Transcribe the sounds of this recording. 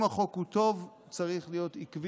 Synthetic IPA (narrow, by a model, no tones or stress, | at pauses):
maχo̞khut̪o̞v | t͡saʁiχlijo̞t̪ikv